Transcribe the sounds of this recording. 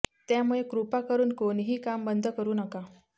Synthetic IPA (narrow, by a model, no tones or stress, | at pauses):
t̪jamuɭekɾupakəɾuːnkoɽiɦiːkambənd̪ʱəkəɾuːnəka